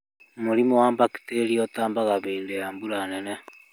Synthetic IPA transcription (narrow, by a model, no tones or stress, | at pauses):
moɾimowaːmbaki̥teɾiɔtaːmbaɣaβeːndejaːmbuɾanɛnɛ